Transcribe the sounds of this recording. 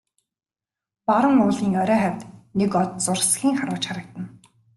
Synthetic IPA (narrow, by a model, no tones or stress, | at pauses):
paɾə̆ŋʊːɮiːŋɔɾʲœːχæw̥ʲt̪nekɔt̪̚t͡sʊrsɡʲiːŋχaɾʊːt͡ɕχaɾə̆k̚t̪ə̆n